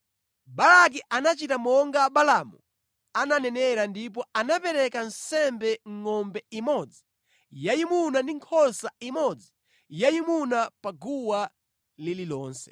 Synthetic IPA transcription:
balak̬iʔanat͡ʃitamɔŋɡaɓalamu | ananɛnɛɾandip̬ɔanapɛɾɛkan̩sɛmbɛŋŋɔmbɛimɔd͡zi | jajimunandiŋkʰɔsaimɔd͡zi | jajimunapaɡuwa | lililɔːnsɛ̥̰

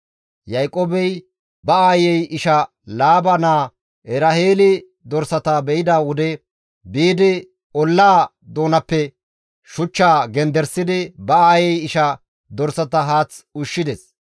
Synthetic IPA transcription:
jɐjkʼoːbɛj | bɐaːjɛjʔɪʃɐ | laːbɐnaː | ʔɛɾɐheːlɪ | d̪ɔɾsɐt̪aːbɛjɪd̪aːwʊd̪ɛ | biːd̪ɪ | ʔɔlːaː | d̪o̞ːnɐpːɛ | ʃʊt͡ʃːaːɡɛnd̪ɛɾsɪd̪ɪbɐaːjɛjɪʃɐ | d̪ɔɾsɐt̪ɐɦaːt͡sʊʃːɪd̪ɛs

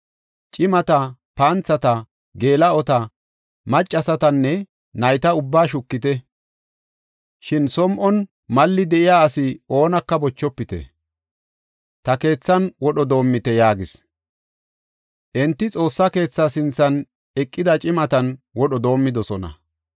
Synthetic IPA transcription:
t͡ʃʼɪmɐt̪ɐpaːnt͡sːɐt̪ɐ | ɡe̞ːlɐɔt̪ɐ | mɐt͡ʃʼːɐsɐt̪ɐnːɛ | nɐjt̪ɐʊbːaːʃʊkːɪt̪ɛ | ʃɪnsɔmʔɔn | mɐlːɪd̪ɛʔɪjaːɐsɪo̞ːnɐkːɐbɔt͡ʃːɔpːɪt̪ɛ̰ | t̪ɐke̞ːt͡sːɐnwɔɗɔd̪o̞ːmːɪt̪ɛjaːɡɪs | ʔɛnt̪ːɪt͡sʼo̞ːsːɐke̞ːt͡sːasɪnt͡sːɐn | ɛkʼːɪd̪ɐt͡ʃʼɪmɐt̪ɐnwɔɗɔd̪o̞ːmːɪd̪ɔsɔnɐ̰

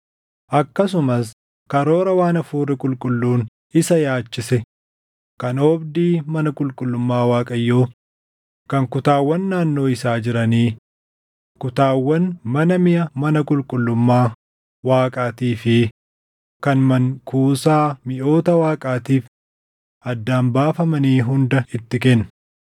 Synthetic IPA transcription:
ʔɐkːɐs̬ʊmɐs | kɐɾoːɾɐwaːnɐfuːrɪkʼʊlkʼʊlːuːn | ɪsɐjaːt͡ʃːɪsɛ | kɐnɔbd̪iːmɐnɐkʼʊlkʼʊlːʊmːaːwaːkʼɐjːoː | kɐŋkʊt̪aːwːɐnːaːnːo̞ːɪsaːd͡ʒɪɾɐniː | kʊt̪aːwːɐnmɐnɐmɪʔɐmɐnɐkʼʊlkʼʊlːʊmːaː | waːkʼaːt̪iːfɪ | kɐnmɐŋkuːsaːmɪʔo̞ːt̪ɐwaːkʼaːt̪iːf | ɐd̪ːaːmbaːfɐmɐniːɦʊnd̪ɐɪt̪ːɪkenːɐ

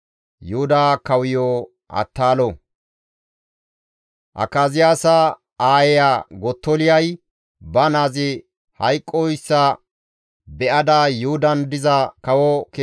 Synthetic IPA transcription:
jʊhʊd̪aːkɐwɪjoː | ʔɐ̰t̪ːaːlɔ | ʔɐ̰kːaːzɪjaːsɐ | aːjɛjaɡɔt̪ːɔlɪjɐj | bɐnaːzɪ | hɐjkʼːɔɪsːɐ | bɛʔɐd̪ajʊhʊd̪ɐnd̪ɪzɐkɐwɔke

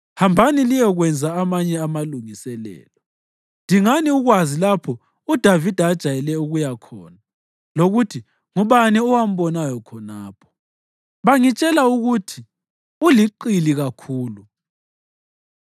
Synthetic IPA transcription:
hambʱanilijɔɣwɛnd͡zʱaamaɲɛamaluŋisɛlɛ̰ːlɔ | ndʱiŋaniuɣwazilapʰɔ | ud̥ʱavid̥ʱaːd̥ʒ̥ʱajɛlɛuɣujakʰɔ̰ːna | loɣutʰi | ŋuβaniɔwam̩βɔnajɔkʰɔnaːpʰɔ̥ | βaŋit͡ʃʼɛlauɣutʰi | uliǃiliɣakʰuːlu

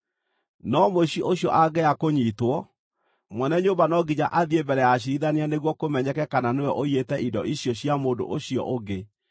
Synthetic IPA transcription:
nɔmoiʔoɕjɔ̰ʔaɡɛakoɲitwɔ | mwɛnɛɲombanɔɡiɲaʔaðiebɛɾɛjaɕ̬iɾiðaneaneɣwɔkomɛɲɛkɛkananewɛʔoietɛʔindɔ̰ʔiɕjɔɕjamoːdo̰ʔoɕiɔ̰ʔoɡe

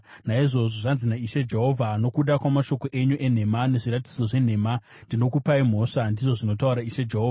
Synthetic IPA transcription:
naiʐo̞ʐoʐanzinaiʃed͡ʒe̞ɦo̞vʱano̞kuɗakwamaʃo̞ko̞ʔe̞ɲuʔe̞n̤e̞mane̞ʐiɾati̥d͡zo̞ʐe̞n̤e̞ma | ndino̞kupaim̤o̞ːʂandiʐo̞ʐino̞tauɾaiʃed͡ʒeɦoːva

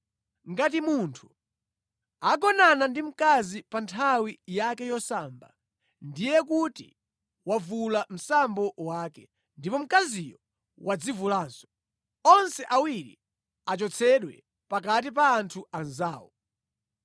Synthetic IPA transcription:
ŋɡat̬imuntʰu̥ | aɡɔnanandim̩kazipantʰawijakɛjɔsaːmba̰ | ndijɛk̬utḭ | wavulam̩sambɔwakɛ | ndipɔm̩kazijɔ | wʔad͡zivulaːnsɔ̥ | ɔnsɛʔawiɾḭ | at͡ʃɔt͡sʰɛɗwɛ | pak̬atip̬aːntʰuanzaːwɔ

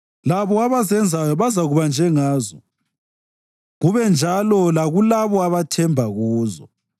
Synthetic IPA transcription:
laβɔaβasɛnd͡zʱajɔβazaɣuβand͡ʒʱɛŋaːzɔ | ɣuβɛnd͡ʒʱalɔlaɣulaβɔaβatʰɛmbʱaɣuːzɔ

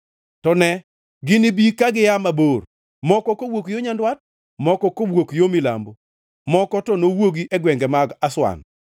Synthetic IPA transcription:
tɔnɛ | ɡɪnibikaɡɪjamabor | mɔkɔkowokjoɲandwat̚ | mɔkɔkobwokjomila̰mbo | mɔkɔtɔnowoɡiʔɛɡwɛŋɡɛmaɡaswa̰n

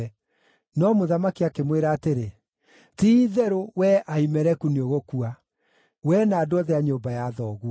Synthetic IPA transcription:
nɔmoðamakiakemweɾaːteɾe | tiːðɛɾowɛʔaimɛɾɛkunioɣokua | wɛnaːdoɔðɛaɲoːmbajaðɔːɣua

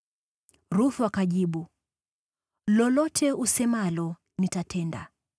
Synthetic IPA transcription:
ɾuθuakaʄiɓu | lɔlɔtʰɛʔusɛmalɔ | nitatʰɛnda̰

